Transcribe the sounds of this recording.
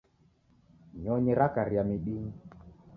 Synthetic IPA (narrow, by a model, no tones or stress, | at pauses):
ɲɔɲɛɾakaɾiamiɗiŋi